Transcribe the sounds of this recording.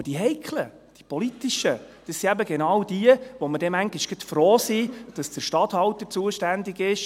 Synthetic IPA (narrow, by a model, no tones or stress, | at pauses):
əd̥iɦɛɪkʰlə | d̥i̥pɔlitiʃə | d̥əsːiæbəɡenɑwd̥iəʋɔmədɛmæŋɡiʃɡ̥ətfɾoːsid̥ɑsd̥əɾʃtɑt̪hɑwt̪əɾt͡suəʃtænd̪iɡɪʃ